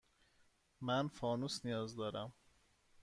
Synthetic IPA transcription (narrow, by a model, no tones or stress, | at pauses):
mænfɒːnusnijɒːzd̪ɒːɾæm